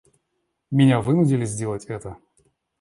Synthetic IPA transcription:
mʲɪnʲavɨnʊdʲɪlʲɪzʲdʲelˠətʲɛt̪ə

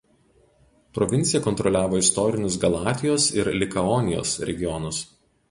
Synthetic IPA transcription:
pɾɔʋʲɪnʲt̪sʲɪjɛkɔnt̪ɾɔlʲæːʋoːɪst̪ɔːɾʲɪnʲʊsɡɐlˠɑːt̪ʲɪjoːsɪɾlʲɪkɐɔnʲɪjo̰ːsɾʲɛ̰ɡʲɪjɔnʊs

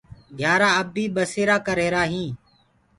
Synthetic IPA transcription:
ɡʱjaːɾaːəbiːɓəseːɾaːkəɾeːɾaːɦĩː

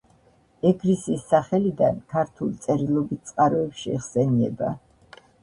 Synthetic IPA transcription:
ɛɡɾisiːsːaχɛlid̪ankʰaɾt̪ʰulit̪sʼɛɾilˠɔbit̪̚t̪sʼqʼaɾɔɛpʃiɛχsɛniɛ̰ba̰

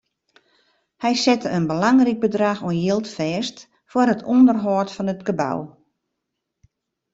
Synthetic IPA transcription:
hɛjsɛtəənbəlaŋrik̚bədraxoənjelˠtfɛːst | fʊrɦətʰɔndərɦɔtfɔnətɡəba̰w

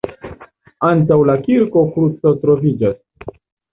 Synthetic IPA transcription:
ant̬awlakiɾko̞kɾut͡sotɾo̞vid͡ʒas

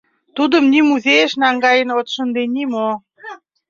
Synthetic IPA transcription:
t̪ud̪əmnʲimuzejeʃnɑŋɡɑjə̆not̪ʃə̆nd̪enimo

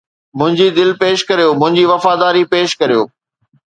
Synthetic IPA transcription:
mʊ̃ɦɪ̃ɲd͡ʑid̪ɪlpeːʃkɐɾijoːmʊ̃ɦɪ̃ɲd͡ʑiʋɐfaːd̪aːɾipeːʃkɐɾijo̰ː

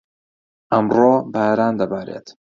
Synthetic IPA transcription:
ʔɐmroːbaːɾaːnd̪ɐbaːɾḛːt̪

